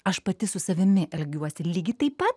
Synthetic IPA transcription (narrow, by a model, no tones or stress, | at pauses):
ɐʃpɐt̪ʲɪsʊsɐʋʲɪmʲɪʔɛlʲɡʲuɔsʲɪlʲiːɡʲɪt̪ɐɪpɐt̪̚